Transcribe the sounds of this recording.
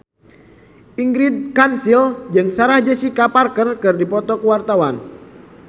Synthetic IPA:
ʔiŋɡɾid̚kansild͡ʒɨŋsaɾahd͡ʒəsikaparkərkɨrdipɔt̪ɔkuwart̪awan

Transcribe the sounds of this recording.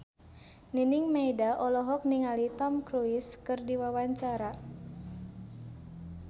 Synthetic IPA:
niniŋmajdaʔɔlɔɦɔk̚niŋalit̪ɔmkɾuiskɨrdiwawaɲt͡ʃaɾa

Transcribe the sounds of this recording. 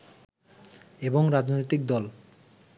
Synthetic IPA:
eboŋɾad͡ʑnojt̪ik̚d̪ɔl

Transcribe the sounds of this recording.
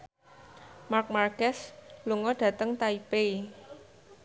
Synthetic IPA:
mark̚markɛsluŋɔɖ̥ä̤t̪əŋt̪aipei

